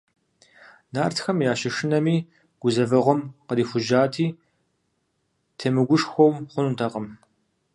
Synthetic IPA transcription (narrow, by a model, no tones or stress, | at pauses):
naːrtxɐmjaːʃɪʂɨnɐmiː | ɡ̥ʷʊzɐvɐʁʷɔmqəɾiːfʷʊʒaːtʰiː | tʰeːmɨɡʷʊʂxʷowmχʷʊnuntʰɐqəm